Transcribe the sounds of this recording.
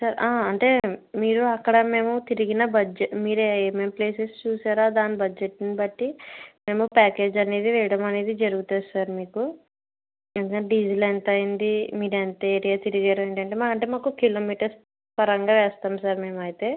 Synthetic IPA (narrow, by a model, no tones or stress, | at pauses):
saːɾaːɐɳʈe̞ːmiːɾuɐkːɐɽɐme̞ːmut̪iɾiɡinɐbɐd͡ʒmiːɾeːmemple̞ːsest͡ʃuːsaːɾaːd̪aːnibɐd͡ʒːeʈːinibɐʈːime̞ːmupaːke̞ːd͡ʒɐne̞ːd̪iʋɛːjɐɽɐmɐne̞ːd̪id͡ʒɐɾuɡut̪oːsaːɾmiːku | end̪ukɐnːɖid͡ʒilent̪ɐjind̪imiːɾent̪eːɾijaːt̪iɾiɡaːɾueːɳʈɐɳʈe̞ːmakɐɳʈeːmaːkukilo̞ːmiːʈɐɾs | pɐɾɐŋɡaːʋɛːst̪aːmsaːɾme̞ːmɐjit̪e̞ː